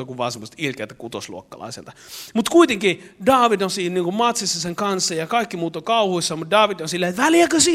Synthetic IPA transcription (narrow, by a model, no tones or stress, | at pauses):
ɑkuʋʋɑ̰ːsemose̥t̪ilkḛlt̪ækut̪oslṵokːɑ̰lɑ̰isḛlt̪ɑ̥mut̪kuit̪eŋkidɑːʋid̪onsiːnniːŋkummɑt̪sisːɑseŋkɑnsːɑjɑkɑikːimuːt̪okɑuhuisːɑmut̪̚dɑːʋid̪t̪onsilːæet̪ʋæljækøsiː